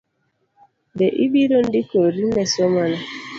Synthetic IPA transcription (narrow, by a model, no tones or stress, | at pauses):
dɛʔibiɾon̩dikoɾinɛsomana